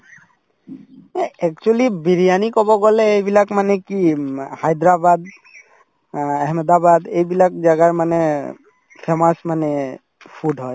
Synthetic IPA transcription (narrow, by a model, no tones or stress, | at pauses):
ɛɛk̚t͡ʃualibiɹijanikɔbɔɡɔlɛejbilakmanɛkihajd̪ɹabad̪̚ | ɛɦmad̪abad̪ejbilak̚d͡ʒaɡaɹmanɛ | pʰɛmasmanɛ | pʰuɖɦɔj